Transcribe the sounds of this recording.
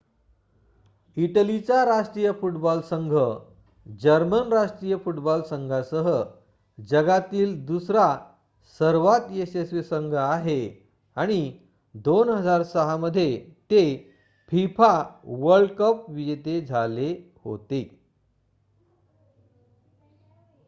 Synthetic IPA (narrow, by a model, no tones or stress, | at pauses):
iʈəlit͡ɕaɾaʂʈɾijəfuʈbɔlsəŋɡʱə | d͡ʑəɾmənɾaʂʈɾijəfuʈbɔlsəŋɡʱasəɦə | d͡ʑəɡat̪iːld̪usɾa | səɾʋat̪esesʋisəŋɡʱəaɦe | aɽ̃i | d̪onɦəd͡zaɾsəɦaməd̪ʱːjet̪e | pʰifaʋəɾɭɖkəp̚ʋid͡ʑet̪ed͡zʱale | ho̰t̪e